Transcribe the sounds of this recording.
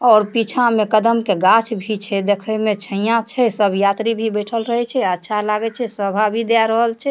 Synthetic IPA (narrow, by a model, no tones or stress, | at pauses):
ɔːɾpit͡ʃʰãmekəd̪əmkeɡat͡ʃʰbʱit͡ʃʰɛd̪ekʰəmet͡ʃʰəijãt͡ʃʰɛsəbʱjat̪ɾibʱibəʈʰəlɾəɦɛt͡ʃʰɛətːʃʰalaɡɛt͡ʃʰɛsəbʱabʱid̪aɾəɦəlt͡ʃʰɛ